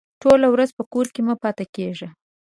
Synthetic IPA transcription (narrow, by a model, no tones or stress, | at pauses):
ʈʰolawɾazpəkoɾkemapɑt̪akeʒa